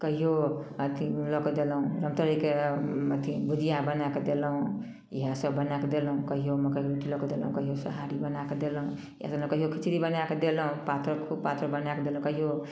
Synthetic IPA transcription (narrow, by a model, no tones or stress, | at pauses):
kəɦijoət̪ʰilɔkd̪elɦũɾəmt̪əɾikeət̪ʰibud͡ʒijabənaked̪elɦũ | iɦãsəbbənaked̪elɦũkəɦijoməkəɦioɾoʈilɔkd̪elɦũkəɦijosəɦaɾibənaked̪elɦũ | iɦã̰sũkəɦijokʰit͡ʃʰɾibənaked̪elɦũpat̪ɾəkpat̪ɾəbənaked̪elɦũkəɦijo